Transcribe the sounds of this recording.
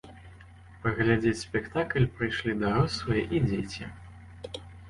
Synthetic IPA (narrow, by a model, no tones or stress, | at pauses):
pɐɣlʲad͡zʲet͡sʲsʲpʲɛkt̪aklʲpɾɨjʂlʲid̪aɾɔssvɐjɛʔid͡zʲet͡sʲi